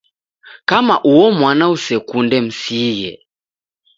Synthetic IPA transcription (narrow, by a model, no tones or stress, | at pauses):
kamaʔuɔmwanausɛkundɛm̩siɣɛ̰